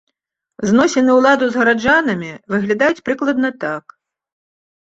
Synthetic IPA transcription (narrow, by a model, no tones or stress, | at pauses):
znɔsʲɛnɨwlˠad̪uzɣɐɾad͡ʐanɐmʲivɨɣlʲad̪ajut͡sʲpɾɨklˠɐd̪̚nɐt̪ak